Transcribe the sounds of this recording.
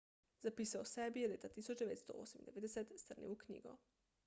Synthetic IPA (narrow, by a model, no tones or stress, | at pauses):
zapiːsaosebijelet̪at̪isut͡ʃd̪eet̪st̪o̰o̰samid̪eʋed̪eset̪st̪ərnḭukɲḭːɡo